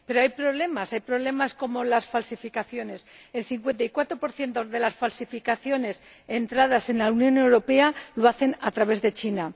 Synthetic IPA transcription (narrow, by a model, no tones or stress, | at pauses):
peɾoajpɾo̞βle̞masajpɾo̞β̞le̞masko̞mo̞lasfalsifikaθjo̞ne̞s | e̞lθiŋkwe̞nt̪ajkwat̪ɾo̞po̞ɾθje̞nt̪oðe̞lasfalsifikaθjo̞ne̞s | e̞nt̪ɾað̞ase̞nlaunjone̞wɾo̞pe̞aloaθe̞nat̪ɾaβe̞zðe̞t͡ʃina